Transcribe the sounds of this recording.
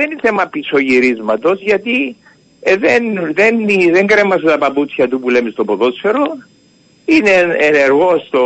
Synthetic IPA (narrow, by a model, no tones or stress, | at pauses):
ðeniθemɐpisoʝiɾizmɐt̪o̞zʝɐt̪i | ðenðeniðeŋɡɾemːɐset̪ɐpɐput͡sçɐt̪upulemist̪opoðot͡seɾo | ineeneɾɣost̪o